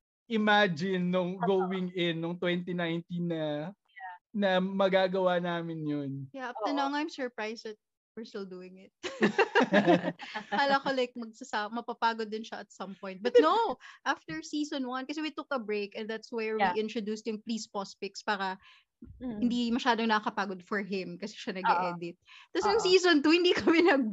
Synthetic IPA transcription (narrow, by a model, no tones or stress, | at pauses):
ʔɪmad͡ʒɪnːʊŋɡowɪŋɪnːʊŋt̪wɛnt̪̬inajnt̪inɐ | nɐmɐɡaɡɐwaːnaːmɪnjonjaʔɐp̚t̪ɛnãŋajmsɔɹpɹajsɐt̪̚ | wɪɹst̪ɪld̪uːɪŋɪt̪̚ | aːlɐkolajk̚mɐɡ̚sɐsamɐpapaːɡod̪ːɪnʃɐʔɐt̪sɐ̃mpɔ̃j̃nt̪̚bɐt̪noʔaft̪ɛɹsiːsonwɐnkɐsɛwit̪ʊkɐbɹeɪkɛ̃nd̪at̪swɛɹwiʔɪ̃nt̪ɹod̪uːst̪ʊŋpliːspɔspɪkspaːɾɐ | hɪnd̪imɐʃaːd̪oŋnɐkːɐkɐpaːɡod̪̚fɔɹɦɪmkɐsɛ̥ʃɐnɐɡɛʔʔɛːd̪ɪt̪̚ːɐsjʊŋsiːsont̪uhɪnd̪ikɐmɛnɐɡ̚